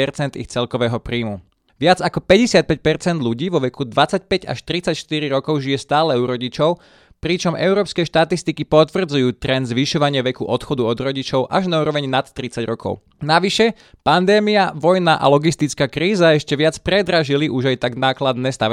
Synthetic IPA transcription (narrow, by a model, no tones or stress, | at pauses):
ɛɾt͡sɛnd̪ḭxt͡sɛlkɔʋɛːɦɔpɾiːmu | ʋɪad͡zakɔpɛɟɛsɪat̪̚pɛc̚pɛɾt͡sɛnd̪ʎuɟiːʋɔʋɛkud̪ʋat͡sac̚pɛɟa̰ʃt̪ɾit͡sacʃt̪iɾiɾɔkɔʊʒijɛst̪aːlɛuɾɔɟit͡ʃɔʊ | pɾit͡ʃɔmʔɛʊɾɔːpskɛʃt̪at̪ist̪ikipɔt̪ʋr̩d͡zujuːt̪ɾɛnd̪zʋiʃɔʋaɲɪɛʋɛkuʔɔt̪xɔd̪uɔd̪ɾɔɟit͡ʃɔʊʔaʒnauːɾɔʋɛɲnat̪ːɾit͡saɟɾɔkɔ̰ʊ | naʋiʃɛ | pand̪ɛːmiaʋɔjnaʔa̰lɔɡist̪it͡skakɾiːzaɛʃcɛʋɪat͡spɾɛd̪ɾaʒiliʔuʒajt̪aɡnaːklad̪nɛːst̪a